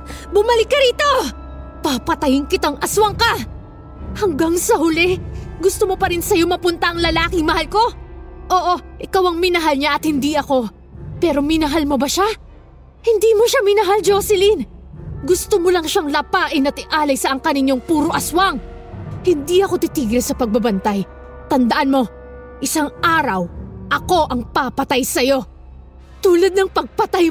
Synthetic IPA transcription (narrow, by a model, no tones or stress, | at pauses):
bʊmɐlɪkːɐɾiːt̪o̞ | papɐt̪ɐjɪŋkɪt̪aŋʔɐswaŋka | hɐŋɡaŋsɐɦʊlɛɡʊst̪omo̞pɐɾɪnsɐjo̞mɐpʊnt̪ɐʔɐŋlɐlaːkɪŋmɐhalko̞ʔo̞ːʔo̞ʔɪkawɐŋmɪnɐɦalɲaʔɐt̪hɪnd̪iɐko̞ | pɛːɾo̞mɪnɐɦalmobɐʃa | hɪnd̪iːmoʃamɪnɐɦald͡ʒosɪlinɡʊst̪omolɐŋʃaŋlɐpaːʔɪnɐt̪ɪʔaːlɐjsɐʔɐŋkɐnɪɲːo̞ŋpuːɾoʔɐswaŋ | hɪnd̪iʔɐko̞t̪ɪt̪iːɡlsɐpɐɡ̚bɐbɐnt̪aj | t̪ɐnd̪ɐʔanmo̞ | ʔɪsaŋʔaːɾɐwʔɐko̞ʔɐŋpapɐt̪ajsɐjo̞ | t̪uːlɐd̪̚nɐŋpɐɡ̚pɐt̪aj